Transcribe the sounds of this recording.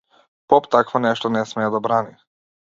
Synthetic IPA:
pɔpt̪akvɔnɛʃt̪ɔnɛsmɛːd̪abɾani

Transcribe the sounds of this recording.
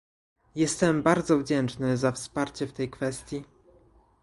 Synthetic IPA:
jɛst̪ɛmbaɾd̪zɔvd͡ʑɛnt͡ʂnɘzafspaɾt͡ɕɛft̪ɛjkfɛst̪ʲji

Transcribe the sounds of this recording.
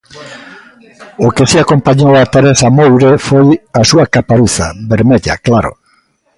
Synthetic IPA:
okesiakompaɲowat̪eɾesamowɾefojasuakapaɾuθaβeɾmeʎa̰klaɾo̰

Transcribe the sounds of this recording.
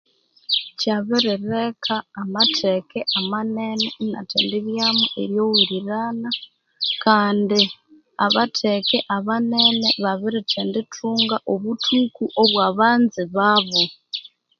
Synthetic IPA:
caβiɾiɾekʰaːmatʰekeʔamanenena̰tʰeːndiβjamuʔeɾjo̞wuɾiɾana | kaːndi | aβatʰekeʔaβaneneβaβiɾitʰeːnditʰuːŋɡaʔoβutʰukuʔoβwaːβaːnziβaβo

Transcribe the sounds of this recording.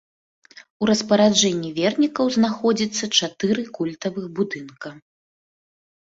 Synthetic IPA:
uɾɐspɐɾad͡ʐɛnʲːivʲɛrnʲikɐwznaxɔd͡zʲit̪sːɐt͡ʂat̪ɨɾɨkulʲt̪ɐvɨxbud̪ɨnkɐ

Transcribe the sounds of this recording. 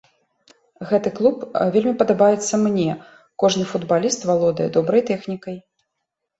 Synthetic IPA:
ɣɛt̪ɨklˠupvʲelʲmʲipɐd̪abajɛt̪sːɐmnʲɛ | kɔʐnɨfud̪balʲist̪valˠɔd̪ɐjɛd̪ɔbɾɐjt̪ɛxnʲikɐj

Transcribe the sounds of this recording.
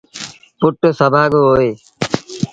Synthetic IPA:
pʊʈːsəbʱaːɡoːɦoːeː

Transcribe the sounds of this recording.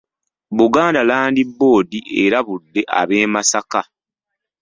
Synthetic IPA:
βuɡaːndalaːndibːo̞ːdiʔeɾaβudːe̞ʔa̰βe̞ːmasaka

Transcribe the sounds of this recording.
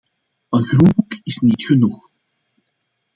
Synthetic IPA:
ənxɾunbukɪsniːt̪xənux

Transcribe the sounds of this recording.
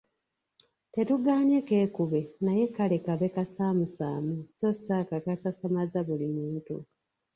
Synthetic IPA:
te̞tuɡaːɲeke̞ːkuβenaje̞kalekaβe̞kasaːmusa̰ːmusosakakasasamazaβulimuːntṵ

